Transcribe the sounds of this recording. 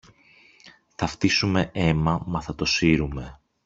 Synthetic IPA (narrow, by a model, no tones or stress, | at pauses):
θɐft̪isume̞e̞mɐmɐθɐt̪o̞siɾume̞